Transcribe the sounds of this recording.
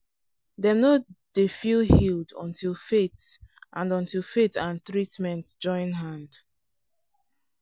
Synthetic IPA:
dɛnod̥efilhilˠdɔ̰̃ntʰilˠfetʔãndɔ̃ntilˠfetãntɹitmɛ̃ntd͡ʒɔ̃ɪ̃nɦãnd̥

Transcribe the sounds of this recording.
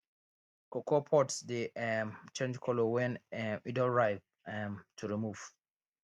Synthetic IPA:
kɔkɔpʰɔtsdiɛmt͡ʃɛ̃nd͡ʒkʰɔlɔwɛ̃nɛidəɹaɪ | ɛmtʰuɹimuv̥

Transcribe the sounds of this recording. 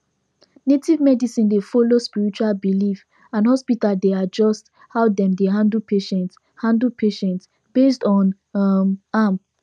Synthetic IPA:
netivmɛdisĩndefɔlospiɹit͡ʃualbilif | ãnɦɔspitaldead͡ʒɔst | haʊdɛ̃mdeɦãndl̩pʰeʃɛ̃nt | hãndlpʰeʃɛ̃nts | b̥estɔ̃n | mam

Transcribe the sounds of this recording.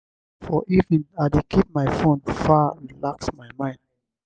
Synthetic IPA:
fɔʔivĩnadekʰip̚majfõnfaɹilaksmaɪmãɪ̃nd

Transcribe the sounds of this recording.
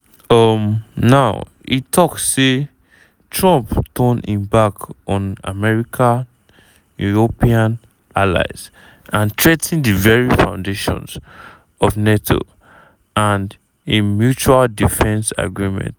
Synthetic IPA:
ʌmnaʊ | ḭtʰɔksːe | tʰɹɔ̃mptʰɔ̃nḭ̃mbakɔ̃na̰mɛɹikʰã | juɹopiãn | ala̰ɪz̥ | ãntʰɹetʰĩndivɛɹifã̰ʊ̃ndeʃɔ̰̃ns | ɔvnetʰo̰ | ãnd | emjut͡ʃualdifɛ̃nsa̰ɡɹimɛ̰̃nt

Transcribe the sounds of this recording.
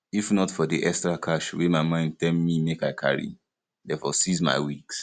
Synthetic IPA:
ifnɔtfɔdiʔɛkstɹakʰaʃwemaɪmãɪ̃nd̚tɛlmimekaɪkʰa̰ɹḭ | dɛfɔsizma̰ɪwiks

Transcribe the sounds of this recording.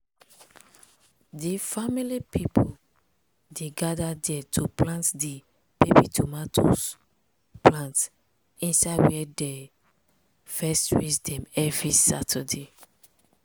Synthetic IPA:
difamilipipʰol | deɡadadɛtʰuplãntdi | b̥ebitʰomatʰo̰s | plãnt | ĩnsawɛdɛ | fɛstɹit͡ʃdɛ̃mɛvɹisa̰tʰɛde

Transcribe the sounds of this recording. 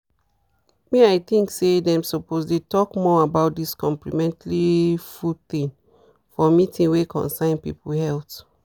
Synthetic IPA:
miaɪt̪ĩŋksedɛ̃msɔposdetɔkmɔabaʊt̚diskɔ̃mplimɛ̃ntalifult̪ĩn | fɔmitʰĩnwekʰɔ̰̃nsãɪ̃npḭpuhɛlt

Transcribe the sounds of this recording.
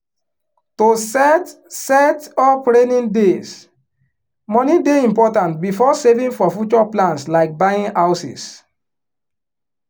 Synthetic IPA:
tosɛt | sɛtɔpɹenĩndes | mɔnideĩmpɔtãntbifɔsevĩŋfɔfjut͡ʃɔplãntslaɪk̚baĩŋaʊsḭs

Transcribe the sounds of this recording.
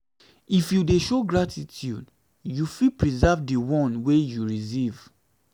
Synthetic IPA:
ifjudeʃoɡɹatʰitʰjṵd | jufipɹizavdiwɔ̃nwejuɹisiv

